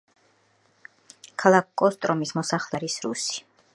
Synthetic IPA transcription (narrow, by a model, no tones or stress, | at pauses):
kʰalˠakkʼːɔst̪ʼɾɔmismɔsaχlˠɛɾisɾṵsi̥